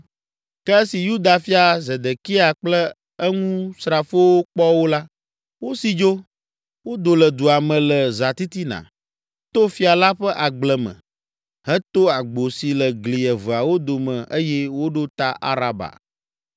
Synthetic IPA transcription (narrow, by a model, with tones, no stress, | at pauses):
kɛ˦si˨ju˦d̪a˨fi˦a˨ze˨d̪e˨ki˦a˨k͡plɛ˦ | ɛ˦ŋũ˦sɾa˨fo˦wo˦k͡pɔ˦wo˦la˦ | wo˦si˨d͡ʒo˦ | wo˦d̪o˨lə˨d̪u˨a˨mɛ̃˨lə˨za˨t̪i˦t̪i˦nã̰˨ | t̪o˦fi˦a˨la˦ɸɛ˦ʔa˨ɡ͡blɛ˨mɛ̰̃˨ | ɦɛ˦t̪o˦a˨ɡ͡bo˨si˨lə˨ɡli˨ɛ˨və˨a˨wo˦d̪o˨mɛ̃˨ʔe˦jɛ˦wo˦ɖo˦t̪a˦ʔa̰˦ɾa˨ba̰˨